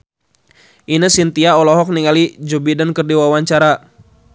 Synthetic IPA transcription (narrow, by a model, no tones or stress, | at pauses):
ʔinəsint̪iaɔlɔɦɔk̚niŋalid͡ʒobidankərdiwawaɲt͡ʃaɾa